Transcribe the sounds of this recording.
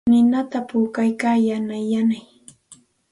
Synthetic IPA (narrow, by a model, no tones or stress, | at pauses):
nɪnat̪apuːkajkaːjanajanaj